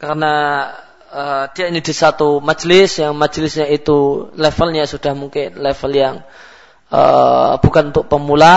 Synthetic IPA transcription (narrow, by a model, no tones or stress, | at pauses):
kaɾəna | əd̥iainidisat̪umad͡ʒlɪsjaŋmad͡ʒlɪsɲait̪ulɛfəlɲasud̥ahmuŋkɪnlɛfəljaŋ | ə̰b̥ukanunt̪ʊk̚pəmula